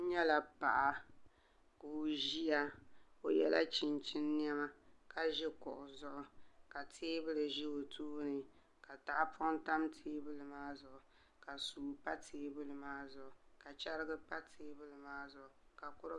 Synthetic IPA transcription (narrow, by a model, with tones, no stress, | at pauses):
ɲɛ˦la˨pa˨ʔa˨ | kuː˨ʒi˦a˦o˨jɛ̰˦la̰˦t͡ʃɪ˨nt͡ʃɪ˦nː˦ɛ˦ma˦ka˨ʒɪ˦kʊ˨ʔʊ˨zʊ˦ʔʊ˨ka˨tʰeː˦bɨ˦lɨ˨ʒɪ˦o˨tʰuː˦nɨ˨ | ka˨ta˨ʔpɔ˦n˦ta˦mtʰeː˦bɨ˦lɨ˨maː˦zʊ˨ʔʊ˨ | ka˨suː˨pa˦tʰeː˦bɨ˦lɨ˨maː˦zʊ˨ʔʊ˨ka˨t͡ʃa˦ɾɪ˦ɡɨ˦pa˦tʰeː˦bɨ˦lɨ˨maː˦zʊ˨ʔʊ˨ka˨kʊ˦ɾ